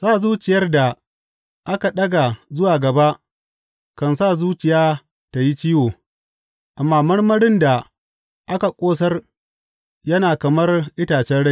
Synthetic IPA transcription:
saː˦˨zuː˦t͡ʃɪ˨jɐ˦rda˨ | ʔa˦ka˨ɗɐ˦ɡa˨zʊ˦waː˨ɡɐ˨ba˦ʔ | kɐ˨nsaː˦˨zuː˦t͡ʃɪ˨jaː˦ | ta˨ji˦t͡ʃiː˦woː˨ | ʔa˨mːaː˦mɐ˦rmɐ˦ɽɪ˦nda˨ | ʔa˦ka˨kʷʼoː˦s̬ɐ˦r | jɐ˦naː˨kɐ˨mɐ˦rʔɪ˦taː˨t͡ʃɛ˦nɽɐ˦˨

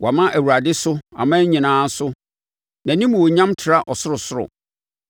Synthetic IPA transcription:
wʔa˨mã˦ʔæ˨wu˨ɾa˨dɪ˦sʊ˦a̰˨mãː˦ɲĩ˨nãː˦sʊ˦ | nã˨nĩ˦mũ˨wɔ˨ɲã˦mtʰɪ˨ɾa˦ʔɔ˨sʊ˦ɾʊ˨sʊ˦ɾʊ̰˨

